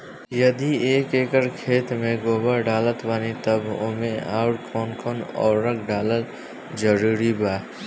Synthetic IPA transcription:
jɐd̪ieːkeːkəɾkʰeːt̪mẽɡoːbəɖaːlət̪ʋaːnit̪əbo̰mẽa̰ːʊʈkʰɔːnkʰɔːnɔ̰ːɾɾəkʰɖaːlət̪ | d͡ʒəɾuːɾibaː

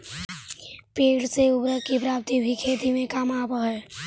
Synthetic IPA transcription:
peːlseʊbɾəkipɾaːp̚t̪ibʱikʰeːd̪imẽkaːmaːbəɦɛː

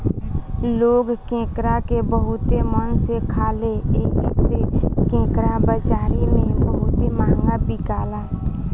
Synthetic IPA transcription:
loːɡkẽːkɾakebəɦʊt̪emənsekʰaːleeːɦsekẽːkɾabəd͡ʒaːɾimẽbəɦʊt̪emaːŋɡabikaːlaː

